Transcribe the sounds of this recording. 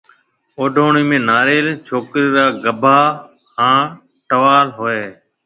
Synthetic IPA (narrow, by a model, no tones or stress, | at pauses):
oːɖʱoːɳiːmẽːnaːɾeːlt͡ʃʰoːkɾiːɾaːɡəbʱaː | ɦãː | ʈəʋaːlɦoːeː